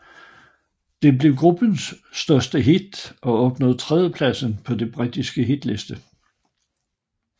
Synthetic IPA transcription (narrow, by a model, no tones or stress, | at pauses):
d̥e̝ble̝ʊɡ̥ʁub̥ənsː | d̥ɶɐsd̥əɦid̥ʔɒ̽ɒ̽b̥nɔ̽ð̩ˠt͡sʰʁɛðˠjəpʰlæsn̩pʰɒ̽d̥e̝b̥ʁid̥isɡ̥əɦid̥le̝sd̥ə